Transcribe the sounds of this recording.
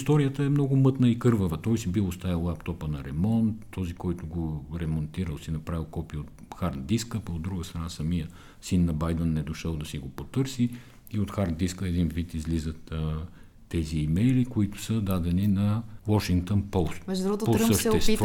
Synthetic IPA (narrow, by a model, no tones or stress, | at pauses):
st̪ɔɾijət̪əɛmnɔɡʊmɤt̪nəikɤɾvəvət̪ɔjsibilˠost̪ajɐlˠapt̪ɔpənɐɾɛmɔnt̪ːɔzikɔjt̪ʊɡoɾɛmont̪iɾəlˠsinɐpɾavilˠkɔpijəot̪ | xaɾd̪d̪iskəpɐod̪ːɾuɡəst̪ɾɐnasɐmijə | sinːɐbajd̪ənːɛd̪oʃəlˠd̪ɐsiɡopot̪ɤɾsi | iot̪xaɾd̪d̪iskəɛd̪invit̪izlizət̪ː | ɛziːmɛjlikoit̪ʊ̥səd̪ad̪ɛninɐwɔʃiŋkt̪onpɔlˠst̪ɛʒd̪ɾuɡot̪posəʃt̪t̪ɛst̪v